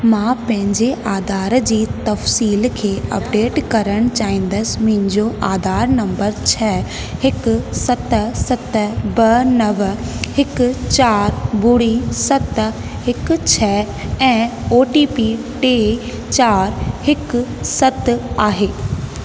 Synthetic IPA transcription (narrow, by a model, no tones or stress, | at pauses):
mãːpɐ̃ɦɪ̃ɲd͡ʑeʔaːd̪ʱaːɾd͡ʑiːt̪ɐfsiːlkʰeːɐ̰pɖeːʈkɐɾəɽ̃t͡ɕaːĩːn̆d̪əsmɐ̃ɦɪ̃ɲd͡ʑoʔaːd̪ʱaːɾnɐ̃mbəɾt͡ɕʰɛː | hɪksɐt̪sɐt̪bɐnɐʋhɪkt͡ɕaːɾbʊɽisɐt̪ | hɪkt͡ɕʰɛː | ɛ̃ːoːʈiːpi | ʈeː | t͡ɕaːɾhɪksɐt̪aːɦeː